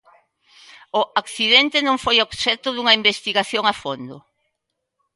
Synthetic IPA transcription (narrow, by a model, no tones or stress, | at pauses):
ʊakθiðɛnt̪enõŋfojoβʃɛt̪ʊðuŋɐimbest̪iɣaθjoŋafond̪ʊ